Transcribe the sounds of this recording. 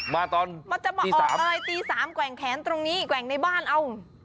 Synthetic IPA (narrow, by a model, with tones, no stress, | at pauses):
maː˧t̪ɔː˧nma˧nt͡ɕa˨˩ʔmaː˧iː˧ʔːsaː˨˦m˨ʔa˧ɾa˧jt̪iː˧saː˩˦mkwɛː˨˩˦ŋkʰɛː˩˦nt̪ɾo˧ŋniː˦˥kwɛ˨˩ŋna˧jbaː˥˩nʔa˧w